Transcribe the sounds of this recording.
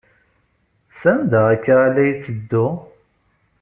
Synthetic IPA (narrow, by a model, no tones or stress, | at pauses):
sænd̪əʁækːalæjt͡sːəd̪ːʊ